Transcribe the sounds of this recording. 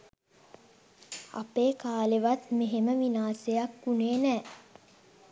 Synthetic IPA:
a̰peːkaːleʋat̪meɦeməʋinaːsejakːuneːnɛː

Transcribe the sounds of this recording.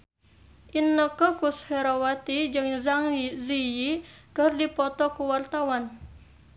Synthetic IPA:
ʔinːəkəkusheɾowat̪id͡ʒɨŋzaŋizijikərdipɔt̪ɔkuwart̪awan

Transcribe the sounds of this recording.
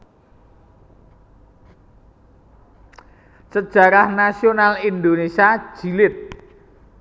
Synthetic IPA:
səd̥ʒ̥ä̤ɾahnasionalind̪onesiḁʒ̥i̤lɪt̪̚

